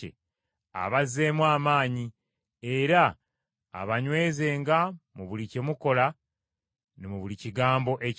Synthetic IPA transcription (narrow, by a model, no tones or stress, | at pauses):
ḛ | a̰βazːe̞ːmwaːmaːɲi | e̞ɾa̰ː | βaɲwe̞ːze̞ːŋɡamuβulicemuko̞la | nemuβuliciɡaːmbo̞ʔe̞